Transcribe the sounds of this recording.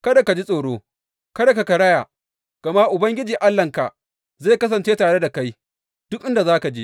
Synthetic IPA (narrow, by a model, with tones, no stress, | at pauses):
kɐ˦da˨ka˨d͡ʒi˦sʼoː˨ɽoː˦ | kɐ˦da˨ka˨ka˨ɽɐ˦jaː˨ | ɡ̥ɐ˨ma˦ʔʊ˨bɐ˦ŋɡʲɪ˦d͡ʒiː˨ʔa˦lːɐ˨ŋka˨ʔ | zeː˦˨kɐ˦s̬ɐ˨nt͡ʃeː˦taː˨ɽe˦da˨ka˦j | d̥ʊ˦kʔɪ˦nda˨zaː˦ka˨d͡ʒi˦ʔ